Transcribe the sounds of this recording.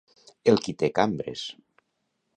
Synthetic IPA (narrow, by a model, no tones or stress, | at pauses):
elˠkit̪ekambɾḛs